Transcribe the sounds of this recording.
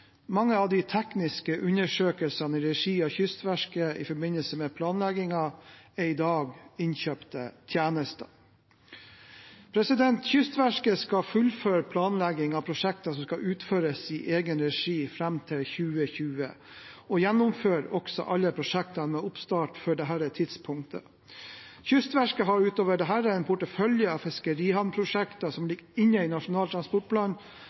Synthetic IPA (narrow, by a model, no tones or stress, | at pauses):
mɑŋːəɑʋd̪ɪt̪ʰɛknɪskəʔʉnəʂøːkəlsɑnəɾɛʂiːɑçʏst̪ʋæʂkəɪ̰fɔɾbɪnəlsəmɛpʰlɑːnlɛɡɪŋɑɛɾɪd̪ɑːɡɪnçøːpt̪ə̰t̪ʰjæːnəst̪ə | pʰɾɛsɪd̪ɛnt̪çʏst̪ʋæʂkəskɑfʉlføːɾpʰlɑːnlæɡɪŋɑpʰɾʊʂɛkt̪ɑsɔmskɑʔʉːt̪føːɾəsiːʔeːɡənɾɛʂiːfɾɛmːt̪ʰɪlçʉːəçʉːə | ɔjænːʊmføːɾɔksɔ̰ʔɑlːəpʰɾʊʂɛk̚t̪ɑmɛʊpst̪ɑːʈføːɖɛɦæːɾæt̪ʰɪd̪spʰʊŋkt̪ʰə̰ | çʏst̪ʋæʂkəɦɑɾʉːt̪oːʋəɖɛɦæːɾəɛɪnpʰʊʈəfœljəɑfɪskəɾiːhɑnpʰɾʊʂɛkt̪ɑsɔmlɪɡɪnːəɪnɑʂʊnɑːlt̪ʰɾɑnspɔʈ̚pʰlɑːn